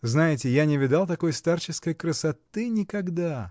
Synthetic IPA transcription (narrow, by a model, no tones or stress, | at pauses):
znajɪtʲɪjanʲɪvʲɪd̪alˠt̪ɐko̞jst̪art͡ɕɪskəjkɾəsɐt̪ɨnʲɪkɐɡd̪a